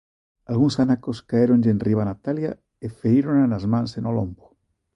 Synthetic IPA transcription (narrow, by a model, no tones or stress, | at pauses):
alɣuŋsanakoskaeɾonʎenriβ̞anat̪alja | efeiɾonanazmãnsenolombo̥